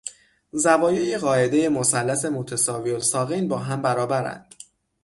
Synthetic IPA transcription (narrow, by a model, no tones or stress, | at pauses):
zævɒːjejiɣɒːe̞d̪e̞je̞mo̞sælːæse̞mot̪ʰesɒːviolsɒːɣinbɒːɦæmbæɾɒːbæɾæ̰nd̪̥